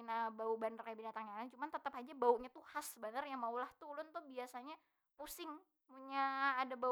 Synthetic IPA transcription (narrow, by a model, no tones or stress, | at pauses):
nabaubanərjabinat̪aŋjanat͡ʃumant̪ət̪əpad͡ʒabauʔɲat̪uhasbənərjaŋmaulaht̪ulʊnt̪ʊhbiasaɲa | pusɪŋ | puɲaːdaba